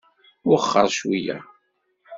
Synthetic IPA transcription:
ʊχːɑɾˤʃwijæ̰

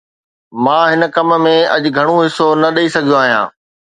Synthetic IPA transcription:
mãːɦɪnkɐmmẽɐʄɡʱɐɽ̃õɦɪsonɐɗɐisɐɡʱijõaːɦijã̰ː

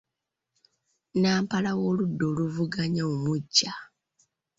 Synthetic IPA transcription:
naːmpalawo̞ːludːo̞luvuɡaɲaumuɟːa

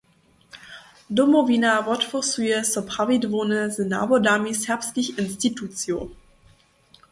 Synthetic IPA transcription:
domoviːnavɔtfɔsyəsɔpʁavidvoːnəzɪna̰bodaːmishɛɐpstlɪçɪnstitʰut͡sjo̰

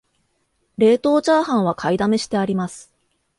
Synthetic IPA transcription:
ɾe̞ːt̪o̞ːt͡ɕaːhãɰ̃β̞akʰaid̪ame̞ɕi̥t̪e̞aɾʲimasɨ̥

